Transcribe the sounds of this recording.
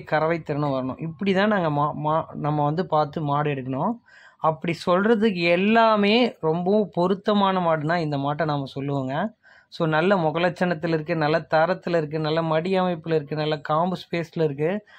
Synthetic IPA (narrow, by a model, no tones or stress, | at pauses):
kɐɾɐʋɐɪt̪ːɪɾɐnɯ̃ʋɐɾɐɳʊ̰̃ʔɪpːɐɽit̪ãːnaːŋɡɐmːmaːnɐmːɐʋɐnd̪ɯpaːɾt̪ɯmaːɽɯɛɽɯkːɐɳʊ̃ | ɐpːɐɽisɔlrɐðɯkːɯɛlːaːmeːɾɔmbɐ̃pɔɾɯt̪ːɐmaːnɐmaːɽɯnãːɪnd̪ɐmaːʈːɐ̃naːmːɐsɔlːɯʋɐːŋɡɐ | soːnɐlːɐmɔɣɐlɐt͡ʃːɐnɐt̪ːɪlɪɾɯkːɯnɐlːɐt̪ɐːɾɐt̪ːɯlɐɪɾɯk̬ːɯnɐlːɐmɐɽɪɐmɐɪpːɯlɪɾɯkːɯnɐlːɐkaːmbɯspeːsɪlɪɾɯk̬ːɯ